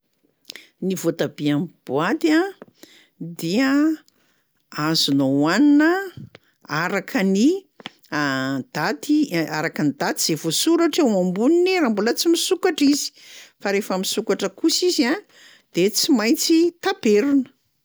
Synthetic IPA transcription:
nivot̪abiamb̥uat̪a | d̪iə | azunowaninə | aɾakʰəni | d̪̥at̪iaɾakənid̪at̪iz̥evosuɾaʈ͡ʂewambunineɾambulət͡simisukaʈ͡ʂizi̥faɾefəmisukaʈ͡ʂəkusiza | d̪̥et͡simajnt͡sit̪apeɾunə̥

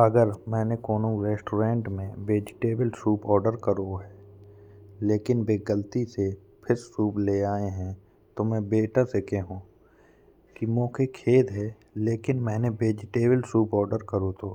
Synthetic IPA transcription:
ɐɡəɾmɛ̃ːnekoːnõɾeːsʈoːɾẽːɳʈmẽbeːd͡ʒɪʈeːbəlsuːpɔːɾɖəɾkəɾoɦɛː | leːkɪnbeːɡəlt̪ise | pʰɪɾsuːpleaːeɦɛ̃ | t̪omɛ̃ːbeːʈasɪkʰeɦũː | kimɔ̃ːkekʰeːd̪ɦɛː | leːkɪnmɛ̃ːnebeːd͡ʒɪʈeːbəlsuːpɔːɾɖəɾkəɾot̪ʰo̰ː

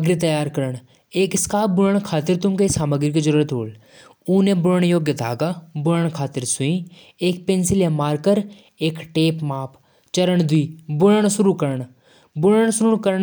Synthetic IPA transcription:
ɐɡɾit̪ɐjaːɾkɐɾəɽ̃ | eːkɪskaːbʊɾəɳ̃kʰaːt̪ɪɾt̪ʊmkesaːməɡɾiked͡ʒəɾuːɾət̪ɦo̰ːl | uːnẽbʊɾəɳjoːɡjət̪a̰ːɡabʊɾəɳkʰaːt̪ɪɾsʊĩ | eːk̚pẽnsɪljamaːɾkəɾ | eːkʈeːpmaːpʰ | t͡ʃɐɾəɳ̃d̪ʱʊiːbʊɾəɳ̃sʊɾukəɾəɳ̃ | bʊɽəɳsʊɾʊɳkəɾəɳ

